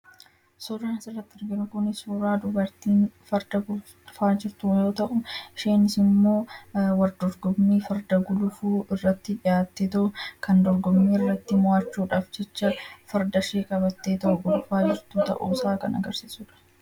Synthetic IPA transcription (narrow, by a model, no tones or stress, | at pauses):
sʊɾaːnsɪrːɐt̪ːɪɾɡɪnʊkʊnɪsuɾaːd̪ʊbɐɾt̪iːnfɐɾd̪ɐɡʊl | faːd͡ʒɪɾt̪ʊjo̞ːt̪ɐʔʊʃeːnɪsɪmːo̞ːwɐɾd̪ɔɾɡɔmːiːfɐɾd̪ɐɡʊlʊfuːʔɪrːɐt̪ːɪᶑɪjaːt̪ːet̪ɐʔʊkɐnd̪ɔɾɡɔmːiːɪrːɐt̪ːɪmʊaːt͡ʃːuːᶑaːfd͡ʒɛt͡ʃːɐfɐɾd̪ɐʃeːkʼɐbɐt̪ːeːt̪ɐʔʊɡʊlʊfaːd͡ʒɪɾt̪ʊt̪ɐ̰ʔṵːsaːkɐnɐ̰ɡɐɾsiːsʊːᶑɐ̥